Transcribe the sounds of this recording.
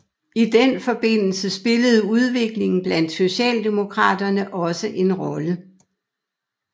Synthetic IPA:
id̥enfɒ̽b̥e̝n̰l̩səsb̥e̝ləð̞̩ˠuð̞ˠʋe̝ɡ̥le̝ŋn̩b̥læn̰d̥so̝ɕɛ̰ːld̥e̝mo̝kʰʁɑ̰̈ːd̥ɐnəʔɒ̽səʔe̝nʁɒ̽lə

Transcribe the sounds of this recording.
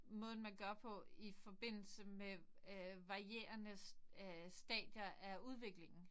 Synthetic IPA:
mɔ̽ːð̞̩ˠn̩ˠmænɡ̥ɶɐpʰɒ̽ifɒ̽b̥e̝n̰l̩səme | ʋɑ̈ʁie̝̰ːɐnə | sd̥ɛ̰ːd̥jɐæuð̞ˠʋe̝ɡ̥le̝ŋn̩

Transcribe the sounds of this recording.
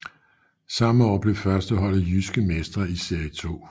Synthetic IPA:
sɑ̈məɒ̰ːb̥le̝fɶɐsd̥əɦɒ̽l̰ð̩ˠjysɡ̥əmesd̥ʁɐise̝ɐjət͡sʰo̝̰ː

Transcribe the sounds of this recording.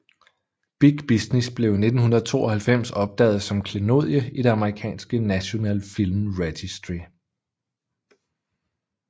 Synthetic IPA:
b̥iɡ̥b̥isnesb̥le̝ʊne̝d̥n̩hunɐðˠət͡sʰo̝̰ːɒ̽hælfem̰sɒ̽b̥̚d̥ɛ̰ːð̩ˠsɒ̽mkʰleno̝ð̰ˠjəiɾ̥e̝ɑ̈məʁikʰɛ̰ːnsɡ̥ənæɕo̝nɛ̰ːlfilmʁed̥isd̥ʁi

